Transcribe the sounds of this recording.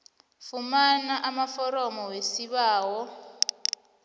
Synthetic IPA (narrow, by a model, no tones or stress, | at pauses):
fumanaʔamafɔɾɔmɔwesiɓaːwɔ